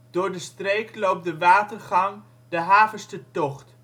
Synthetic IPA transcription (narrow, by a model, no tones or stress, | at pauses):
d̥ʊːɹdəstrejklowp̚dəʋaːtərχɑŋ | dəɦaːvəɹstətɔχt